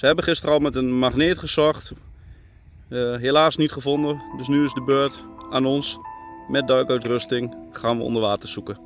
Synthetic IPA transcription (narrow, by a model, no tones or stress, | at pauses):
səɦɛbəχɪstərɔlˠmɛtənmaχnɪːtχəsɔχt | ɦelaːsnitχəfondədøsnyɪsdəbøːɹtaːnɔnsmɛt̚dœɥkœɥtrøstɪŋχaːnʋəɔ̰ndəɹʋaːtəsukə